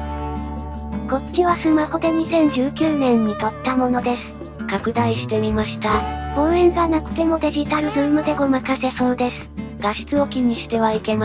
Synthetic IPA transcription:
ko̞t͡sɨ̥kʲiβasɨmaho̞d̪e̞ɲ̟isẽ̞ɲ̟d͡ʑɨːkʲɨːnẽ̞ɲ̟ːit̪at̪ːamo̞no̞d̪e̞sɨ̥ | kakɯ̟d̪aiɕi̥t̪e̞mʲimaɕi̥t̪aõ̞ɰ̃ẽ̞ŋɡanakɯ̟̥t̪e̞mo̞d̪e̞ʑit̪aɾɯ̟bɯːmɯ̟d̪e̞ɡo̞makase̞so̞ːd̪e̞sɨ̥ɡ̥aɕi̥t͡sɨo̞kʲiɲ̟iɕi̥t̪e̞βaike̞ma

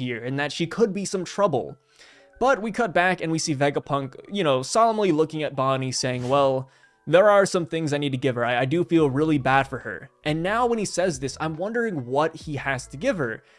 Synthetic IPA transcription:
iɹɨ̃nðɨtʃikʰɨd̚bisʌ̃mtʰɹ̥ʌbl̩ˠ | b̥ʌt̚wikʰʌt̚b̥ækɨ̃nwisivɛɡəpʰʌ̃ŋkjɨñoʊsɑlˠə̃mlilʊkɪ̃ŋɨt̚b̥ɑniseɪɪ̃ŋwɛlˠ | ðə˞ə˞sʌ̃mθɪ̃ŋzaɪnid̚tʰɨɡɪv̥ə˞aɪaɪdɨfilˠɹɪlˠibæd̥fə˞ə̰˞ʔɨ̃nːaʊwə̃nisɛzðɪsã̰ɪ̃mwʌ̃ndə˞ɪ̃ŋwʌt̚hiæstʰɨɡɪv̥ə˞

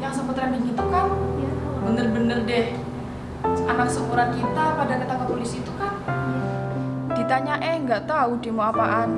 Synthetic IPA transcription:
jaŋsəmpət̪ɾandiŋit̪ukahbənərbənərdɛh | anaksəkuɾakit̪apadakit̪akəpolisiːt̪ukah | d̥it̪aɲaʔɛŋɡaʔt̪audemoapaʔan

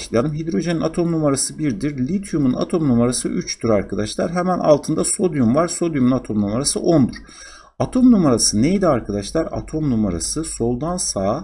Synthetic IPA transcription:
ʃˠʲanɯmɦid̪ɾo̞ʒeninat̪ʰo̞mnumaɾasɯbiɾd̪iɾlʲit̪ʰjumuna̰t̪ʰo̞mnumaɾasɯ̰ʔyt͡ʃt̪ʰyɾaɾkʰad̪aʃlˠaɾɦemænʔa̰lˠt̪ʰɯnd̪aso̞d̪jumvaɾ̥so̞d̪jumunat̪ʰo̞mnumaɾasɯ̰ʔo̞nd̪uɾ̥ | at̪ʰo̞mnumaɾasɯnejd̪ɛaɾkʰad̪aʃlˠaɾa̰t̪ʰo̞mnumaɾa̰sɯso̞lˠd̪ansaː

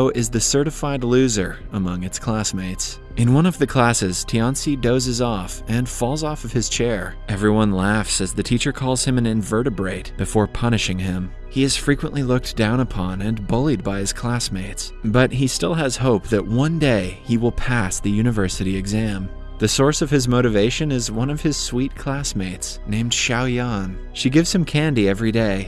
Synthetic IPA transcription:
ʊʔɪzðɨsɜ˞ɾɨfaɪdˡlʉzə˞əmʌ̃ŋɨtskʰl̥æsmeɪts | ʔɨ̃nwʌ̃nʌvðɨkʰl̥æsɨz̥tʰiɑ̃nsidoʊzɨzɔfɨ̃nfɔlˠzɔfʌv̥ɨz̥t͡ʃʰɛɹ | ʔɛvɹiwʌ̃nlæfsɨzðɨtʰit͡ʃə˞kʰɔlˠz̥ɨ̃mɨ̃nɨ̃ɱvɜ˞ɾɨbɹeɪt̚b̥ɨfɔɹpʰʌñɨʃɪ̃ŋɪ̃m | hiɨz̥fɹikwə̃nʔlilʊk̚d̥ãʊ̃ñəpʰɑ̃nɨ̃nbʊlˠid̚baɪɨz̥kʰl̥æsmeɪts | bʌt̚ɦistɪlˠəz̥hoʊp̚ðɨʔ̚wʌ̃ndeɪ | iwəlˠpʰæsðɨjʉñɨvɜ˞sɨɾiɨɡzæ̃m | ðɨsɔɹsʌv̥ɨzmoʊɾɨveɪʃɨ̃nɨzwʌ̃nʌv̥ɨz̥swit̚kʰl̥æsmeɪts | nẽɪ̃md̥ʃaʊjɑ̃n | ʃiɡɪvz̥ɨ̃mkʰæ̃ndiɛvɹideɪ

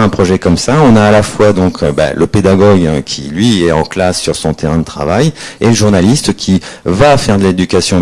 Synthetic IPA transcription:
ɛ̃pχɔʒɛkɔmsaɔ̃naːlafwad̪ɔ̃kʰba̰lʔəped̪aɡɔɡkʲʰḭlɥiɛɑ̃klasːyʁsɔ̃t̪ʰeʁɛ̃d̪ət̪χavajeləʒuʁnalist̪kʲʰivafɛʁd̪əled̪ykasjɔ̃

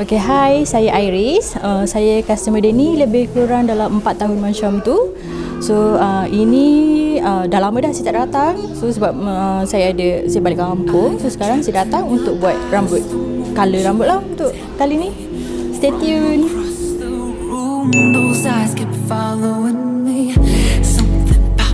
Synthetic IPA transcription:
okeɦajsajaʔajɾisəmsajakast̪əmədəniləbɪhkuɾaŋdalaməmpat̪ːaɦʊnmant͡ʃamt̪u | soəiniədalamə̃dahsiat̪aʔdat̪aŋ | sosəbap̚əəsajaadəsajəpaliʔkaŋɦampʊŋsosə̥kaɾaŋsajadat̪aŋunt̪ʊk̚buat̪̚rambʊt̪̚kaləɾambʊt̪̚lahunt̪ʊʔ | kalini | st̪et̪jun | osaskafaloənjasə

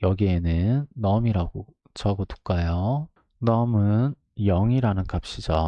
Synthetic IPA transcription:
jʌɡie̞nɯnːʌmiɾaɡo | t͡ɕaɡotu̥k͈ajo | nʌmɯn | jʌŋiɾanɯnkap̚ɕ͈id͡ʑʌ

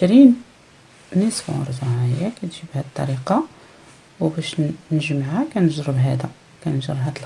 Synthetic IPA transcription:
ʃɾinː | æsfiʕʊ̰ɾˤdˤɑʕjːækæt̪ʒibhæd̪t̪ˤːɑɾiqɑ | wbæʃnəʒəmʕækænəʒɾˤəbɦæd̪æ | kænʒɾˤəbɦæd̪əl

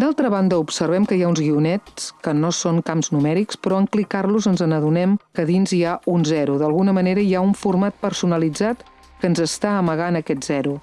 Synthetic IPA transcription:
d̪alˠt̪ɾəβand̪əupsərβ̞ɛmkəjaunzɣiunɛt͡sskənosoŋkamznumɛɾikspɾɔəŋklikarluzənzənəðunɛmkəðinziaunzɛɾuðəlˠɣunəməneɾəjauɱfurmat̪̚pərsunəlid͡zat̪ | kənzəst̪aəməɣanəkɛt̪zɛɾu

